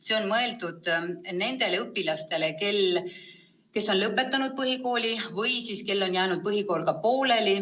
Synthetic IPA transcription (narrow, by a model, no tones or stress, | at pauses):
se̞o̞nmɤe̞ld̪ud̪̥ne̞nd̪̥e̞leɤpːilɑst̪e̞le̞ke̞l | ke̞sːo̞nlɤpːˑe̞t̪ːˑɑnud̪̚pɤɦiko̞ːlʲivɤjsiːske̞lːo̞njæːnud̪̚pɤɦiko̞ːlkɑpo̞ːle̞li